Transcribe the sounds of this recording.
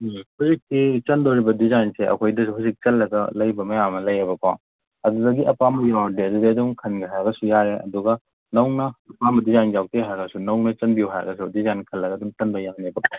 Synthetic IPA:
huzik̚tit͡ʃɐndoɾibɐdizanseʔɐ̰kʰojdɐsuhuzik̚t͡ʃɐlːɐɡɐlɐjbɐmɐjamɐlɐjɐbɐkʰa | ɐdudɐɡiʔɐpamɐjawdeɐdudeɐduŋkʰɐnɡiɦajɡɐsujaɾeʔɐ̰duɡɐ | nɐwŋnɐːpamɐdizajnjawteɦaɾɡɐsunɐwŋnɐt͡ʃɐnbijuɦajɾɡɐs̬udizankʰɐlːɐɡɐduŋt͡ʃɐnbɐjanebɐk

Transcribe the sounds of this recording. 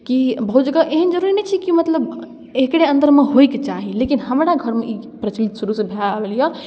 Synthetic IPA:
kibəɦut̪d͡ʒəɡaʔeɦənd͡ʒəɾuɾinət͡ʃʰikimət̪ləb | ekɽeə̃nd̪əɾmeɦojket͡ʃaɦilekinhəmɾaɡʱəɾmeʔipɾət͡ʃmit̪suɾusẽbʱelabelijə

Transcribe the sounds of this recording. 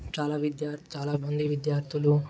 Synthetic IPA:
t͡ʃaːlaːʋid̪jaːt͡ʃaːlaːmɐnd̪ʱiʋid̪jaːɾt̪ʰilu

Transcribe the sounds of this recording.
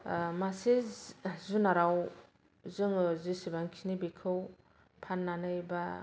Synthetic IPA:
masezunaɾaw | zɯŋzisibaŋkʰinibikʰɯw | pʰanːanɯjba

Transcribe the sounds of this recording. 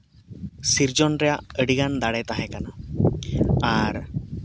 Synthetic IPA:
siɾd͡ʒɔnɾɛjaʔəɽiɡand̪aɽɛt̪aɦɛ̃kana | aɾ

